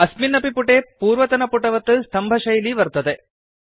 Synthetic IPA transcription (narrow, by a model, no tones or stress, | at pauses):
ɐsminɐpipuʈeːpuːɾʋɐt̪ɐnɐpuʈɐʋɐt̪ːɨst̪ʰɐmbʱɐʃɐjliʋɐɾt̪ɐd̪e